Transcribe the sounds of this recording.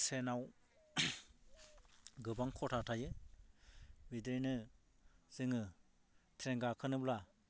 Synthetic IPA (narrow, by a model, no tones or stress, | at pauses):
senaw | ɡɯbaŋkʰɔtʰatʰajɯ | bidejnɯ | z̥ɯŋɯ | tʰɾeŋɡakʰɯnɯbla